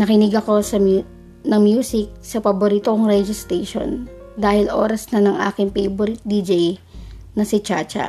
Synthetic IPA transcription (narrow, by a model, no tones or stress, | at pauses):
nɐkɪnɪɡɐko̞sɐm | nɐŋmjuːsɪk̚sɐpɐboɾiːt̪okoŋɾɛd͡ʒɪst̪ɾɛʃo̞̰n | d̪aːhɪlʔo̞̰ːɾɐsnɐnɐŋʔa̰ːkɪŋpejboɾɪt̪̚d̪id͡ʒɛj | nɐsɪt͡ʃaːt͡ʃɐ̰